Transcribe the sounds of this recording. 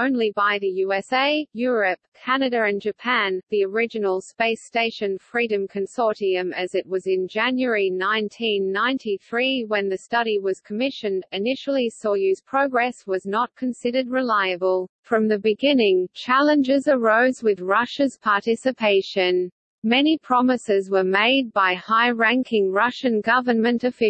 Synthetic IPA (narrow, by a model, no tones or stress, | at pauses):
õʊ̃nlibaɪðɨjʉɛseɪjʊɹɨp̚kʰænɨɾɨɨ̃nd͡ʒɨpʰæ̃nðiə˞ɪd͡ʒɨnl̩ˠspeɪsteɪʃɨ̃nfɹiɾɨ̃mkʰɨ̃nsɔɹɾiɨ̃mɨzɨt̚wʌzɨ̃nd͡ʒæ̃njə˞inãɪ̃ntʰĩnːãɪ̃ntʰiθɹiwɨ̃nðɨstʌɾiwʌz̥kʰəmɪʃɨ̃ndɨnɪʃl̩ˠisɔjʉz̥pʰɹ̥oʊɡɹɛswʌznət̚kʰɨ̃nsɪɾə˞d̚ɹɨlaɪɨbəlˠfɹʌ̃mðɨbɨɡɪ̃nɪ̃ŋt͡ʃʰælˠə̃nd͡ʒɪzə˞oʊzwɨðɹʌʃɨz̥pʰɑɹtɪsɨpʰeɪʃɨ̃n | mɛnipʰɹ̥ɑmɨsɪzwə˞meɪd̚baɪhaɪɹæ̃ŋkʰɪ̃ŋɹʌʃɨ̃nɡʌvə˞nmɨ̃ntɨfɪ